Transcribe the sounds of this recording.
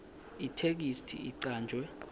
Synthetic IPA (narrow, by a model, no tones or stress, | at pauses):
itʰek̬istʰḭiǀaːnd͡ʒʱwɛ